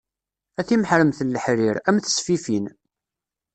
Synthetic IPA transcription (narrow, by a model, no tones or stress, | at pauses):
æθimħɾəmθəlːəħɾiɾæmθə̥sfifin